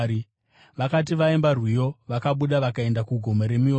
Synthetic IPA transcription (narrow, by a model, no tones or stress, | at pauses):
i | ʋakat̬iʋaembarwijo̞ʋakaɓuɗaʋakae̞ndakuɡʱo̞maɾe̞mio